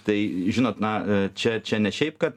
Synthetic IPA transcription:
t̪ɐɪʒʲɪnoːt̪nɐt͡ʃʲɛt͡ʃʲɛnʲɛʃʲɛɪpkɐt̪̚

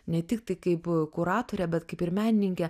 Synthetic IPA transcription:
nʲɛt̪ʲɪk̚t̪ɐɪkɐɪpkʊɾɑːt̪oːɾʲɛbʲɛt̪kɐɪpɪɾmʲæːnʲɪnʲɪŋʲkʲɛ

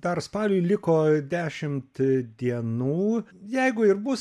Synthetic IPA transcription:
d̪ɐrspɑlʲʊɪlʲɪkoːd̪ʲæːʃʲɪmt̪d̪ʲiɛnuːjɛɪɡʊɪɾbʊs

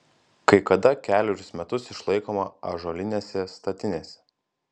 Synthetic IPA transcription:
kɐɪkɐd̪ɐkʲæːlʲoɾʲʊsmʲɛt̪ʊsɪʃlˠɐɪkoːmɐɐ̰ʒoːlʲɪnʲeːsʲɛst̪ɐt̪ʲɪnʲeːsʲɛ̥

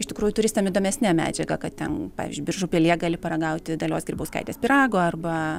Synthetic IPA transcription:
ɪʃt̪ʲɪkɾuːjʊt̪ʊɾʲɪst̪ɐmid̪oːmʲɛsʲnʲæmʲæ̰ːd͡ʒʲɛɡɐkɐt̪̚t̪ʲɛnɑ̰ːʋʲɪ̰zʲd͡ʒʲʊːbʲɪrʒʊpʲelʲiɛɡɑːlʲɪpɐɾɐɡɐʊt̪ʲɪd̪ɐlʲoːsɡɾʲiːbɐʊskɐ̰ɪt̪ʲeːspʲɪɾɑːɡoːɐrbɐ

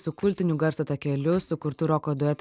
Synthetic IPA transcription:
sʊkʊlʲt̪ʲɪnʲʊɡɐɾsɐt̪ɐkʲɛlʲʊsʊkʊɾt̪ʊɾoːkoːd̪ʊɛt̪

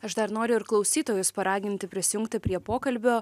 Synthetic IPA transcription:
ɐʃd̪ɐɾnoːɾʲʊɪɾklˠɒʊsʲiːt̪oːjʊspɐɾɑːɡʲɪnʲt̪ʲɪpʲɾʲɪsʲɪjʊŋkt̪ʲɪpʲɾʲiɛpoːkɐlʲbʲoː

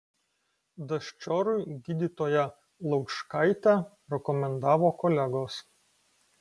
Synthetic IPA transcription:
d̪ɐʃʲt͡ʃʲɔːɾʊɪɡʲid̪ʲit̪oːjɛ | lˠɐʊkʃkɐˑɪt̪ʲæ | ɾʲɛkɔmʲɛnd̪ɑːʋoːkɔlʲæɡoːs

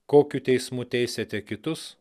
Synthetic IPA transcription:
koːkʲuːt̪ʲɛɪsmuːt̪ʲɛɪsʲet̪ʲɛkʲɪt̪ʊs

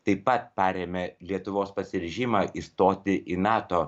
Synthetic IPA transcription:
t̪ɐɪppːɐt̪̚pɑɾʲeːmʲɛlʲiɛt̪ʊʋoːspɐsʲɪɾʲɛʒʲimɑːʔist̪oːt̪ʲɪʔinɑːt̪oː

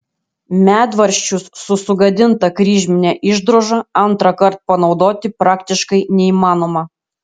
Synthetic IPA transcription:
mʲæːd̪ʋɐɾʲʃʲt͡ʃʲʊsːʊsʊɡɐd̪ʲɪnt̪ɐkɾʲiːʒʲmʲɪnʲæʔɪʒd̪ɾoːʒɐɐnt̪ɾɐkɐɾt̪̚pɐnɒʊd̪oːt̪ʲɪpɾɑːkt̪ʲɪʃkɐɪnʲɛiːmɑːnoːmɐ

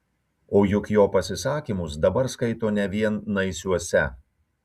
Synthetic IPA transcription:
oːjʊkjoːpɐsʲɪsɑːkʲimʊsd̪ɐbɐɾskɐɪt̪oːnʲɛʋʲiɛnːɐɪsʲuɔsʲɛ

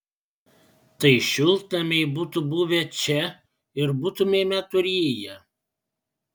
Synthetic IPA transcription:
t̪ɐɪʃʲʊlˠt̪ɐmʲɛɪbut̪ʊbuʋʲɛt͡ʃʲɛ | ɪɾbʊt̪ʊmʲeːmʲɛt̪ʊɾʲeːjɛ

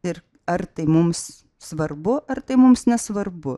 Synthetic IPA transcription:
ɪɾ | ɐɾt̪ɐɪmʊms | sʋɐrbʊʔɐɾt̪ɐɪmʊmsnʲɛsʋɐɾbʊ

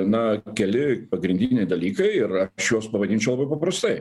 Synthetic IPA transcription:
nɐkʲɛlʲɪpɐɡɾʲɪnʲd̪ʲɪnʲɛɪd̪ɐlʲiːkɐɪɪɾɐʃjuɔspɐʋɐd̪ʲiːnʲt͡ʃʲɛʊlˠɐbɐɪpɐpɾɐst̪ɐɪ

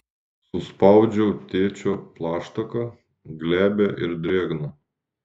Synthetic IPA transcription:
sʊspɑˑʊd͡ʒʲɛːt̪ʲeːt͡ʃʲoːplˠɑːʃt̪ɐkɐ | ɡlʲæːbʲɛʔɪɾd̪ʲɾʲeːɡnɐ

